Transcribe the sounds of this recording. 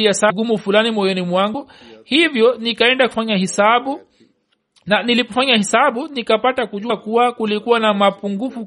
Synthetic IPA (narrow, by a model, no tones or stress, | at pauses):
iasaɡumufulanimɔjɔnimwaŋɡu | hivjɔnikaɛndaku̥faɲahɛsaɓu | nanilipɔfaɲahɛsaɓunikapatakuʄukuwakulikuwanamapuŋɡufu